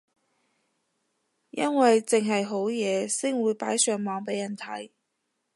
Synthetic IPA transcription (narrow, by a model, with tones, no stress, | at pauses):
jɐ˥nwɐ˨jt͡sɪ˨ŋɦɐ˨jɦo˨˥wjɛː˨˧sɪ˥ŋwuː˨˧jpaː˨˥jsœː˨˧ŋmɔː˨˧ŋpe˨˥jːɐ˨˩nt̪ʰɐ˨˥j